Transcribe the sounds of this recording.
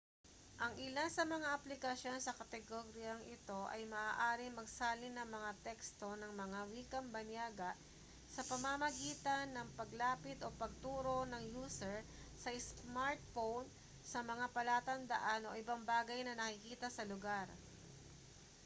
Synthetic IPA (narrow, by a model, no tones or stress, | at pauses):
ʔɐŋʔɪlansɐmɐŋaʔɐplɪkɐsjo̞nsɐkɐt̪ɛɡoɾjɐŋʔɪt̪o̞ʔɐ̰jmɐʔaːʔaːɾɪŋmɐɡsaːlɪnɐŋmɐŋat̪ɛkst̪o̞nɐŋmɐŋawiːkɐmbɐnjaːɡɐʔ | sɐpɐmamɐɡiːt̪ɐnːɐŋpɐɡlaːpɪt̪o̞pɐɡ̚t̪uːɾo̞nɐŋjuːsɛɹ | sɐɪsmaɹt̪̚fown | sɐmɐŋapɐlaːt̪ɐnd̪ɐ̰ʔano̞̰ʔɪbaŋbaːɡɐjnɐnɐkɪkiːt̪ɐsɐlʊɡaɾ